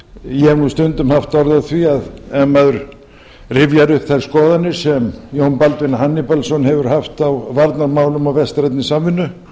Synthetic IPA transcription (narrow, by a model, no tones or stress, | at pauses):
jɛnust̪ʏnt̪ʏmhaft̪ɔɾðawθviaðɛmːaðʏɾ | rɪvjaɾʏhpθalskɔːðanːɪ̥sɛmjownpalt̪vɪnaɦanːɪpɛlsɔnhɛvʏɾ̥haft̪awvaɾt̪naɾmaːwlʏmawvɛst̪ɾɛt̪nɪsamvɪnːʏ